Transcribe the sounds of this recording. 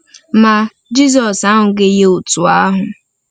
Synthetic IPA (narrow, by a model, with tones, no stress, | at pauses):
ma˨ | d͡ʒi˦z̬ɔ˨sa˦ɦʊ˨ɡe˦je˦o˨tu˨a˦ɦʊ˨